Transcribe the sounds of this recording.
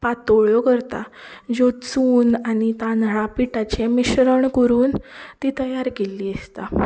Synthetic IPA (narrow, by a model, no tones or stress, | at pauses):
pat̪oɭjɔkəɾt̪a̰d͡ʑot͡suːnañit̪ãnɭapiʈat͡ɕemiɕɾəɳkəɾuːnt̪iːt̪əjaɾkeliːəst̪a